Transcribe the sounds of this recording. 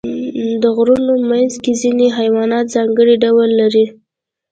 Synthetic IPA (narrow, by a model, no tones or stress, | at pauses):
d̪əɣɾunomanzkezineɦajwɑnɑt̪zɑŋɡəɽiɖawlːaɾi